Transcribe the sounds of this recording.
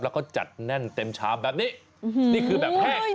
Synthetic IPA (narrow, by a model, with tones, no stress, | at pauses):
lɛ˦˥kʰɔː˥˩t͡ɕa̰˨˩t̪̚nɛ˥˩nt̪e˧mt͡ɕʰa̰ː˦˥mbɛː˨˩p̚niː˦˥˩ | niː˥˩kʰɯː˧bɛː˨p̚pʰɛː˥˩